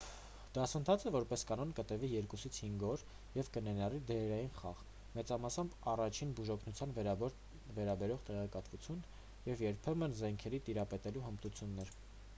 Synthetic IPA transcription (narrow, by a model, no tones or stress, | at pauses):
d̪̥ɑsənt̪ʰɑt͡sʰɛvɔɾpɛskɑnɔnkət̪əvijɛɾkusit͡sʰhiŋɡɔɾ | jɛvkənɛnɑrid̪ɛɛɾɑjinχɑʁ | mɛt͡sɑmɑsɑmbɑrɑt͡ʃʰinbuʒɔkʰnut͡sʰjɑnv | vɛɾɑbɛɾɔʁt̪ɛʁɛkɑt̪vut͡sʰjun | jɛvjɛɾpʰɛmənzɛŋkʰɛɾit̪iɾɑpɛt̪ɛluɦəmt̪ut͡sʰjunːɛɾ